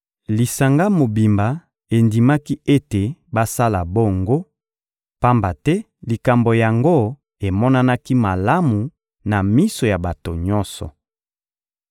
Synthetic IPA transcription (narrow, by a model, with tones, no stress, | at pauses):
li˨sa˨ŋɡa˦mo˨bi˨mba˨ | e˨ndi˨ma˦ki˦e˦te˨ba˦sa˦la˨bo˦ŋɡo˦ | pa˦mba˨tɛ˦ | li˨ka˨mbo˨ja˨ŋɡo˦ | e˨mɔ˦na˦na˦ki˦ma˨la˦mu˨ | na˨mi˦so˨ja˨ba˨to˨ɲɔ̃˦nsɔ̰˨